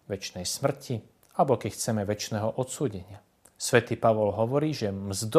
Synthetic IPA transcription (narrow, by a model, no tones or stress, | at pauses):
ʋɛt͡ʃnɛjsmr̩cʰi | albɔkɛcxt͡sɛmɛʋɛt͡ʃnɛːɦɔʔɔt̪suːɟɛɲɪa | sʋɛt̪iːpaʋɔlɦɔʋɔɾiːʒɛmzd̪